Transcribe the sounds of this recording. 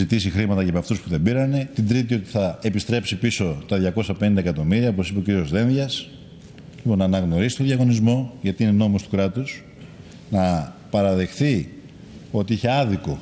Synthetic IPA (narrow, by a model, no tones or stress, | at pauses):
it̪isixɾimɐt̪ɐʝɐpɐft̪uspuðe̞biɾɐne̞t̪ind̪ɾit̪̬io̞t̪i̥θɐepist̪ɾepsipiso̞t̪ɐðʝɐko̞sɐpenind̪ekɐt̪o̞miɾiɐopo̞sipeo̞ciɾio̞zðe̞nðʝɐs | lipo̞nːɐːnɐɣno̞ɾisit̪oðʝɐɣo̞nizmo̞ʝɐt̪iine̞no̞must̪u̥kɾɐt̪us | nɐpɐɾɐðe̞xθi | o̞t̪iiçe̞ɐðiko̞